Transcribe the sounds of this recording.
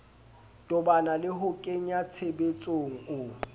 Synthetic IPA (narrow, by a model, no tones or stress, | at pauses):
tʼʊbanalɪɦʊkʼeɲat͡sʰebet͡sʼoŋ̩ʊ